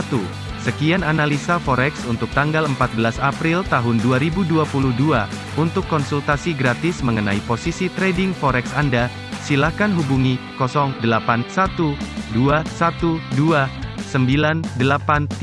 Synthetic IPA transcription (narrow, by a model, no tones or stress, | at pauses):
t̪u | səkiananalisafɔɾɛksunt̪ʊk̚t̪aŋɡaləmpat̪̚bəlasapɾɪlt̪aɦʊnduaɾibuduapuluhdua | unt̪ʊkːɔnsult̪asiɡɾat̪ɪsməŋənaiposisit̪ɾedɪŋfɔɾɛksanda | silahkanɦubuŋikɔsɔŋdəlapansat̪uduasat̪uduasəmbilandəlapant̪